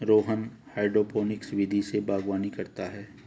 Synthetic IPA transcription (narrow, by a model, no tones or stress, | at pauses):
ɾoːɦən | haːɪɖɾoːpʰoːnɪksʋɪd̪ʱisebaːɡwaːnikɐɾt̪aɦɛː